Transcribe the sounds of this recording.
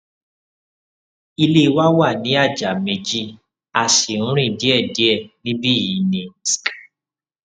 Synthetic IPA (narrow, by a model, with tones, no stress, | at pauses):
i˧le˦˧˦wa˦wa˦˨nĩ˨˦a˦˨d͡ʒa˨mẽ˨˧d͡ʒi˦ | a˨ʃi˨ũ˦ɾ̃ĩ˦˨di˨˦ɛ˦˨di˨˦ɛ˦˨nĩ˦bi˦˨ji˨˦nĩ˨sk